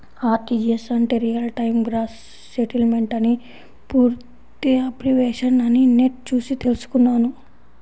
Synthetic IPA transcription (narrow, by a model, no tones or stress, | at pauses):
aːʈ̪id͡ʒiesɐɳʈeɾijɐlʈɐjmɡɾaːsː | eʈilmeɳʈɐni | puːɾtt̪iɐpɾiʋeːʃɐnɐnineʈ̚t͡ʃuːsit̪elsu̥kunːaːnu